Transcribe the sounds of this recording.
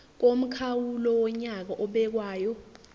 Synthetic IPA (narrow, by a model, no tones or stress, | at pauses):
k̬om̩kʰawulɔwɔɲak̬aʔɔɓɛk̬waːjɔ